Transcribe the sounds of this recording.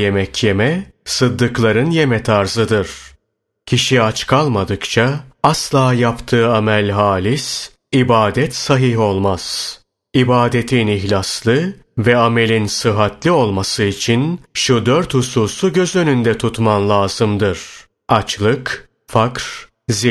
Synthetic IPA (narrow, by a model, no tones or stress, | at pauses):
je̞mɛcʰje̞mɛsɯd̪ːɯklˠaɾɯnje̞mɛt̪ʰaɾzɯd̪ɯɾ̥ | cʰiʃiat͡ʃkʰalˠmad̪ɯkt͡ʃʰaaslˠaːjapt̪ʰɯːamælʲɦaːlʲis | ibaːd̪ɛt̪saɦiɦo̞lˠmaz̥ | ibaːd̪et̪ʰiniçlʲaslˠɯ | vɛame̞lʲinsɯɦat̪lʲio̞lˠmasɯit͡ʃʰinʃud̪øɾt̪husuːsuɟø̞zø̞nynd̪ɛt̪ʰut̪manlˠaːzɯmd̪ɯɾ̥ | at͡ʃlˠɯk | fakɾ̥ | zi